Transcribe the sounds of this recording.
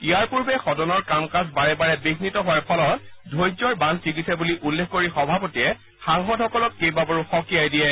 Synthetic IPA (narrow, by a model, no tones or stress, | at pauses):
iaɹpuɹbɛxɔdɔnɔɹkamkasbaɹɛbaɹɛbiɡnitɔɦʊaɹpʰɔlɔt̚dʱojzɔɹbansikitsabuliʔulːexkoɹixɔbʱapotiɛ | xaŋxɔdɦɔkɔlɔt̚kejbabɔɹuxɔkijajdijɛ